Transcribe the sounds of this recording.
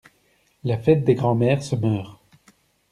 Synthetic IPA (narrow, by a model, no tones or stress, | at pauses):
lafɛt̪̚d̪eɡʁɑ̃mɛːʁsəmœːʁ